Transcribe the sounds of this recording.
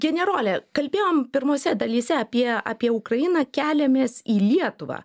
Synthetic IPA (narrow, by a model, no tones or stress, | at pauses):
ɡʲɛnʲɛɾoːlʲɛkɐlʲbʲeːjoːmpʲɪɾmoːsʲɛd̪ɐlʲiːsʲɛɐpʲiɛɑːpʲiɛʊkɾɐjɪnɐːkʲæːlʲɛmʲeːsiːlʲiɛt̪ʊʋɑ̰ː